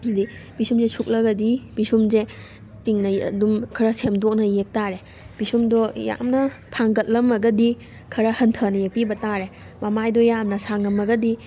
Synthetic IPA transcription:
dibisumzesʰuk̚lɐɡɐdibisumze | tiŋnɐɐ̰dumkʰɐɾɐsemdok̚nɐjek̚taɾe | b̥isumdɔja̰mnɐtʰaŋɡɐt̚lɐmɐɡɐdi | kʰɐɾɐhɐntʰɐnɐjek̚pibɐtaɾe | mɐmajdɔjamnɐsaŋɐmɐɡɐdi

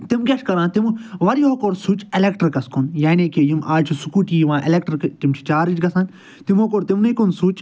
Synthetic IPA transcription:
t̪imkʲɐʃkɐɾãːt̪imʋɐɾiɦoːkoːɾsuːt͡ʃelekʈɐɾkɐskonjaːnekijimʔaːt͡ʃʰisukuːʈiːjiʋãːʔḛlʲek̚ʈɾkt̪imt͡ʃʰi̥t͡ʃaːɾid͡ʒɡɐsãːn | t̪imɦokoːɾt̪imnɐikonsuːt͡ʃ

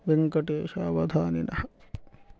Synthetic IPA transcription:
ʋeŋkɐʈeːʃaːʋɐd̪ʱaːnḭnʔɐ̰hɐ

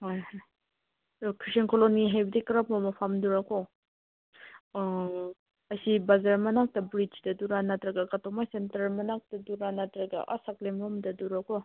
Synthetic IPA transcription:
hojhɔj | kʰɾisenkɔloniɦajbidikɐɾapmamapʰamduɾakɔ | ɐsibazaɾmanak̚tɐbɾid͡ʒdɐduɾanatɾaɡakatɔmajsentɐɾmanak̚taduɾanatɾaɡa̰ʔasaklemɔmdɐduɾakɔ

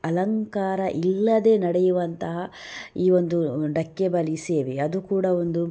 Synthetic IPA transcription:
ɐlɐŋkaːɾɐʔilːɐd̪e̞ːnɐɽɛjuʋɐnt̪ɐɦɐiːʋo̞nd̪uɖɐkːebɐlise̞ːʋeɐd̪ukuːɽɐo̞nd̪u

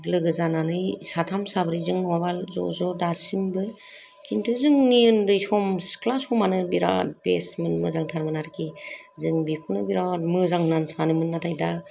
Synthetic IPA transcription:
lɯɡɯzananɯjsatʰamsabɾɯjzɯŋnɔwabalzɔ̰zɔdasimbɯ | kʰintʰuzɯŋniɯndɯjsɔmsklasɔmanɯbiɾa̰pḛsmɯnmɯzaŋtʰaɾmɯnaɾkʰizɯŋbikʰɔnɯbiɾamɯzaŋnansanɯmɯnːatʰajda

